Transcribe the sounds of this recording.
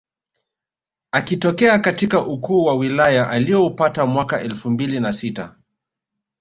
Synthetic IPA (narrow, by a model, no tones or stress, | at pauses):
akitɔkɛakatikaʔukuːwawilajaʔaliɔupatamwakaʔɛlfumbilinasita